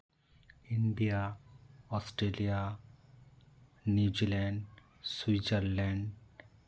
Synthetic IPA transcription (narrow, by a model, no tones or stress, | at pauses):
ĩɳɖia | ɔsʈɾelia | njud͡ʒilɛ̃ɳɖ | swid͡ʒəɾlɛ̃ɳɖ